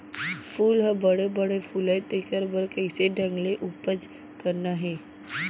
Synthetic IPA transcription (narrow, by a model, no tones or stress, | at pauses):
fuːlɦəbəɽebəɽefulajt̪ekəɾbəɾkəjseɖʱãŋɡleʔupəd͡z | kəɾnaɦe